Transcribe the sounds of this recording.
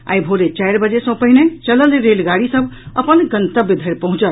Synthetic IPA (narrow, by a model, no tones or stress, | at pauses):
a̰jbʱoɾet͡ʃajɾbəd͡ʒesə̃pəɦinet͡ʃələlɾelɡaɽisə̃bʱəpənɡənt̪əbid̪ʱəɾpəɦũt͡ʃəl